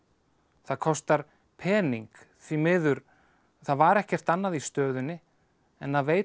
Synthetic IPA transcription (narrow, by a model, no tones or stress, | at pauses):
θaðkʰɔst̪aɾ̥ | pʰɛːniŋk | θvimɪðʏɾ | θaðvaɾɛhcɛr̥t̪anːaðist̪œːðʏnːɪ | ɛnθaðveːj